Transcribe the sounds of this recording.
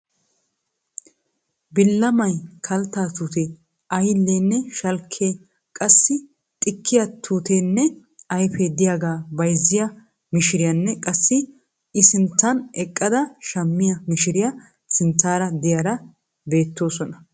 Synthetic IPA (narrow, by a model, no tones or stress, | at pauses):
bɪlːɐmɐjkʰɐlt̪ːaːt̪uːt̪e | ɐjlːeːnːɛʃɐlkʰːeː | kʼɐsːɪ | t̪ʼɪkːɪjɐt̪ʰuːt̪eːnːɛ | ɐjfed̪ɪjaːɡaːbɐjzːɪjɐ | mɪʃɪɾɪjɐnːɛkʼɐsːɪ | ɪsɪnt̪ːɐnɛkʼːɐd̪ɐʃɐmːɪjɐmɪʃɪɾɪjɐ | sɪnt̪ːaːɾɐd̪ɪjaːɾɐ | be̞ːt̪ːo̞ːsɔnɐ